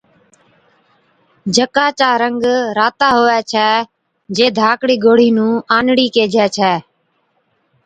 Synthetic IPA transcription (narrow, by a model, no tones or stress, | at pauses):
d͡ʒʱəkaːt͡ʃaːɾəŋɡɾaːt̪aːɦoːʋɛːt͡ʃʰɛː | d͡ʒeːd̪ʱaːkɽiːɡoːɽ̤iːnũːaːnɽiːkeːd͡ʒɛːt͡ʃʰɛː